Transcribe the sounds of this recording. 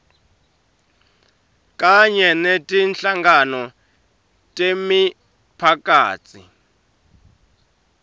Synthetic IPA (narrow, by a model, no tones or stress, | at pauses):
kʼaɲɛnetʼinɬaŋɡanɔ | tʼemi | pʰakʼaːt͡sʰḭ